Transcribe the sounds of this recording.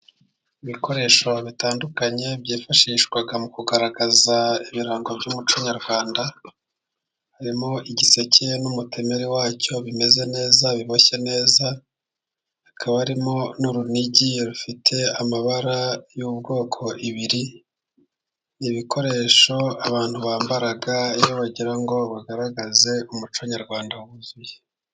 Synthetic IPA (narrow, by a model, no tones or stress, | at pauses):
iβikʰo̞ɾe̞ːʃo̞βitaːndukaɲe̞βɟiːfaʃiːʃɡwaɡamukuɡaɾaɡazaiβiɾaːŋɡo̞bɟumut͡ʃuɲaɾɡwaːnda | haɾimo̞ʔiɟise̞ce̞numute̞me̞ɾiwaːco̞βime̞ze̞ne̞ːzaβiβoçe̞ne̞ːza | hakʰaβahaɾimo̞nuɾuniɟiɾufitʰe̞amaβaɾajubɡo̞ːkʰo̞ʔiβiɾi | niβikʰo̞ɾe̞ːʃo̞aβaːn̥huβaːmbaɾaɡaijoβaɟiɾaŋɡo̞βaɡaɾaɡaze̞umut͡ʃaɲaɾɡwaːndauβuzuje